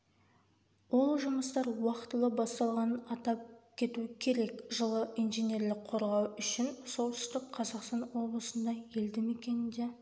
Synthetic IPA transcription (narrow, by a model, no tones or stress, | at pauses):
wo̞lˠʒʊməst̪ɑɾwɑqt̪əlˠəbɑst̪ɑlˠʁɑnənɑt̪ɑp̚kʲʰe̞t̪uɪkʲʰe̞ɾe̞kʒəlˠəʔijnʒenʲe̞rlɪkqʰːo̞ɾʁɑwʏʃɪnso̞lˠt̪ʏ̥st̪ɪkqʰɑzɑqst̪ɑnwo̞blˠəsənd̪ɑe̞ld̪ɪme̞kʲe̞nɪnd̪e̞